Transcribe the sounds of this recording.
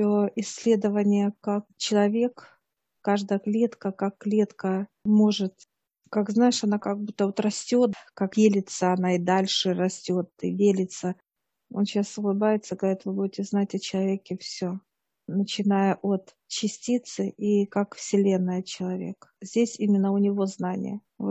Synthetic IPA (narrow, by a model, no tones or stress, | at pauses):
oɪsʲːlʲe̞d̪əvənʲɪjəkak̚t͡ɕɪlˠɐvʲe̞k | kaʐd̪əjəklʲe̞t̪kəkakːlʲe̞t̪kəmo̞ʐɨt̪ | kakznajɪʂɐnakaɡ̚but̪ːəvot̪rɐsʲtʲo̞t̪kakjelʲɪt̪səɐnaɪd̪alʲʂɨrɐsʲtʲo̞t̪ɨ̰dʲelʲɪt̪sə | o̞̰nɕasəlˠɨbajɪt̪səɡəvɐɾʲit̪vɨbudʲɪtʲɪznatʲɐt͡ɕɪlˠɐvʲekʲɪfsʲo̞ | nət͡ɕɪnajəʔo̞t̪ | t͡ɕɪsʲtʲit̪sɨʔikakfsʲɪlʲe̞nːɨjət͡ɕɪlˠɐvʲḛkzʲdʲesʲimʲɪnːəʊnʲɪvo̞znanʲɪ̰jə | vo